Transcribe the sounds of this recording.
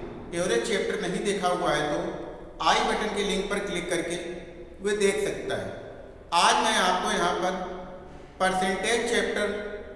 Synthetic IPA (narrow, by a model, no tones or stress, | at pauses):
oːɾet͡ʃeːp̚ʈəɾnɐɦĩd̪eːkʰaoɡaːɦet̪o | aːibɐʈənkelɪ̃ŋk̚pɐɾklɪkːɐɾke | ʋed̪eːkʰsɐk̚t̪aɦɛ̰ː | aːd͡ʒnɐẽaːpkõjɐɦãpɐɾ | pɐɾsẽːʈeːd͡ʒt͡ʃeːp̚ʈəɾ